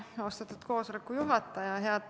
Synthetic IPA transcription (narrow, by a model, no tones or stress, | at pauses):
o̞st̪et̪ːˑut̪ko̞ːsolekːujuɦɑt̪ːˑɑjɑɦeɑt̪